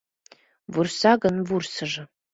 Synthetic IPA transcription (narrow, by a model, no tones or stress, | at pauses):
vursaɡənvursɨʐɨ